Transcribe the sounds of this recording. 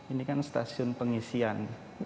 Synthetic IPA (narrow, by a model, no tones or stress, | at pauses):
inikanst̪asiʊnpəŋisian